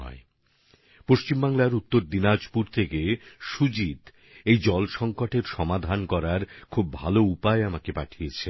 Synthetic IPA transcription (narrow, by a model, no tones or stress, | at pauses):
ɔ̰e | poʃt͡ɕimbaŋlaɾut̪ːoɾd̪inad͡ʑpuɾt̪ʰekeʃud͡ʑid̪ | ejd͡ʑɔlʃɔŋkoʈeɾʃɔmad̪ʱankɔɾaɾkʰubːʱa̰loupaeamakepaʈʰijet͡ɕʰe